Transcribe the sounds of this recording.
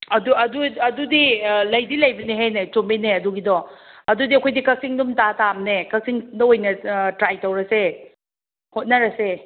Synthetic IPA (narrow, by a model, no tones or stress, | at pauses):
ɐduɐduɐdudilɐjdilɐjbɐniɦajnet͡ʃombineɐduɡidɔɐdudiɐkʰojdikɐsiŋdumtatamnekɐsiŋdɐojnɐtɾajtɐwɾɐse | hot̚nɐɾɐse